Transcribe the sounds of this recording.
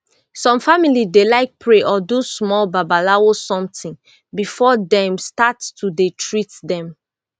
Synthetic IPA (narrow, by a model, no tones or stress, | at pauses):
sɔ̃mfamilidelaɪk̚pʰɹeʔɔdusmɔlbabalawosɔ̃mtɪ̃n | bifɔdɛ̃mstattudetʰɹitdɛ̃m